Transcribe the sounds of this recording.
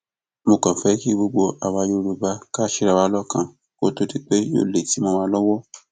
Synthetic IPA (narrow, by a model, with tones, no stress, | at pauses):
mo˧kã˨fɛ˦ki˦ɡ͡bo˧ɡ͡bo˧ʔa˨wa˧jo˧ɾu˨ba˧˦ka˦˨ʃi˦ɾa˨wa˧˦lɔ˦kã˧˨ | ko˦to˦ti˦k͡pe˦jo̰ː˦˨le˨ti˨˦mõ˧mã˧˦lɔ˦wɔ˦